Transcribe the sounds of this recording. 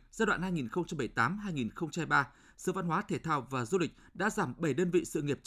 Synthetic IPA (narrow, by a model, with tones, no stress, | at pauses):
zaː˧jɗwa̰ː˧˨nhaː˧jŋi˨˩nxə˧wŋ͡mt͡ɕa˧mɓə˧˩jt̪aː˨˦mɦaː˧jŋi˨˩nxə˧wŋ͡mt͡ɕa˧mha˧jɓaː˧ | sɨ̰˧˨va˧nɦwaː˨˦t̪ʰe˧˩t̪ʰaː˧wvaː˨˩zu˧lk̟̚ɗa̰ː˧˥zaː˧˩mɓə˧˩jɗəː˧nvḭ˧˨sɨ̰˧˨ŋi˨˩əp̚